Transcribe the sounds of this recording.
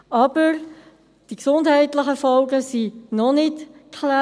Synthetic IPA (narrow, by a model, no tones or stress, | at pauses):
ʔɑb̥əɾ | d̥iksʊndɦɛɪtlɪχəfɔlɡəsinɔnɪtkʰla